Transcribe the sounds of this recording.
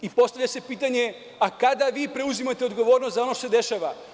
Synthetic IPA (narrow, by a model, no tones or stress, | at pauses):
ipo̞st̪aʋʎʲase̞piːt̪aɲe̞ | akad̪aʋiːpɾe̞uzimat̪eo̞d̪ɡo̞ʋo̞ːɾnost̪zao̞noʃt̪osed̪e̞ʃaʋa